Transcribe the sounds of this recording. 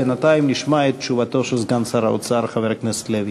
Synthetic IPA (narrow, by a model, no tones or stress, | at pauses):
enat̪aimniʃmaet̪̚ːt͡ʃuvat̪oʃelzɡansaɾaot͡saɾχaveɾknese̥t̪levi